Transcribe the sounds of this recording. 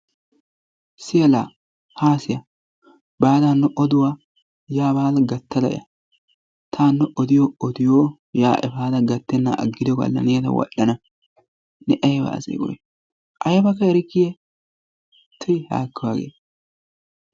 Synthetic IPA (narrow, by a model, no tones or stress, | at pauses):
sɪjɛlaː | haːsɪjɐ | baːd̪anːɔʔɔd̪ʊwa | jaːbaːlɡɐt̪ːɐd̪ɐ̰ʔɪ̰jɐ̰ | t̪ʰaːnːɛʔɔd̪ɪjɔɔd̪ɪjoː | jaːʔɛbaːd̪ɐɡɐt̪ːɛnːɐʔɐ̰ɡːɪd̪ɔɡɐ̰lːɐ̰nɪjɐt̪ɐ̰wɐ̰ɗːɐnɐ | nɛʔɐjɛbɐ̰ːsḛːkʊ̰jɛ̰ | ʔɐjɐbɐkːɐɛɾɪkːɪjɛ | t̪ʰʊjha̰ːkːɪwaːɡḛːt̪